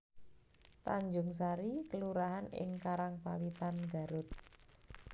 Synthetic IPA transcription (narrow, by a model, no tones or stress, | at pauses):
t̪aɲd͡ʒʊŋsaɾikəluɾaɦanɪ̰ŋkaɾaŋpawit̪anɡa̤ɾʊt̪̚